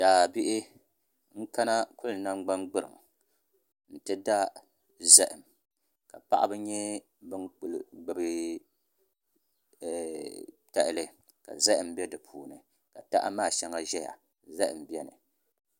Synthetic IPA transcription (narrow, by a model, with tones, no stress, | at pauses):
d̥aː˨bi˦ʔɪ˦ | ŋ̩˦ka˦na˦kʊ˦lna˦ŋ͡mɡ͡ba˦nɡ͡bɨ˦ɾɨ̰˨m | n̩˨tɨ˦da˦ | zɛ˦ʔɪ˨m | ka˨pa̰˦ʔa̰˦bɨ˦ɲɛ˦ | bɨ˦ŋk͡plɡ͡bɨ˨bɨ˦˨ | ta˦ʔɪ˦lɨ˦ | ka̰˨za˦ʔɪ˨m˦bɛ˦dɨ˨pʰuː˨nɨ̰˨ | ka˨ta̰˦ʔa̰˦maː˦˨ʃɛ˦ŋa˦ʒɛ˦ja̰˨ | za˦ʔɪ̰˨m˨bi˦ɛ˦nɨ̰˨